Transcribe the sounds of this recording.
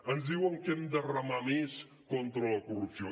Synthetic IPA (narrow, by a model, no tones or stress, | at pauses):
ənzðiwəŋkɛmd̪ərəmames | kɔnt̪ɾələkurupsio